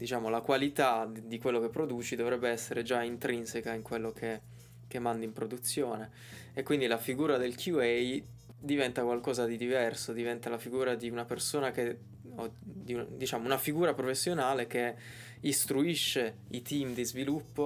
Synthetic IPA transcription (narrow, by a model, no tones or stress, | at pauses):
d̪it͡ʃaːmolakwalit̪ad̪ikwelːokepːɾod̪uːt͡ʃid̪ovɾɛbːeɛsːeɾed͡ʒaint̪ɾinsekaiŋkwelːokʰe | k̟emːand̪impɾod̪ut̪sːjoːne | ekːwind̪ilafiɡuːɾad̪elkʰjuɛj | d̪ivɛnt̪akwalkɔːzad̪id̪ivɛrsod̪ivɛnt̪alafiɡuːɾad̪iunapersoːnake | od̪iud̪it͡ʃaːmounafiɡuːɾapɾofesːjonaːlek̟e | ist̪ɾuiʃːe | it̪imd̪izvilupːo